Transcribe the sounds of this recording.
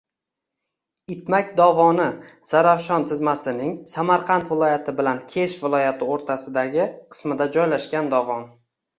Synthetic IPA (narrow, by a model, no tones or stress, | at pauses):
ɪt̪makʲd̪ɒvɒnɪz̥aɾafʃɒnt̪ʰɪzmasɪnɪŋsamaɾqʰɑnt̪vɪlˠɒjat̪ʰɪbɪlankʲʰe̞ʃvɪlˠɒjat̪ʰɪoɾt̪ʰasɪd̪aɡʲɪqʰɨ̥smɪd̪ad͡ʒɒjlaʃkʲand̪ɒvɒn